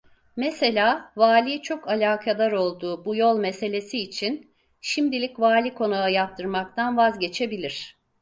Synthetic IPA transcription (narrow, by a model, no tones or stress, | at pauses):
mese̞lʲaːvaːlʲiːt͡ʃʰo̞kalʲaːkʰad̪ˠaɾo̞lˠd̪uːbujo̞lˠmese̞lʲe̞siːt͡ʃʰin | ʃimd̪ilʲicvaːlʲikʰo̞naajap̚t̪ʰɯɾmak̚t̪ʰanvazɟe̞t͡ʃʰe̞bilʲiɾ̝̥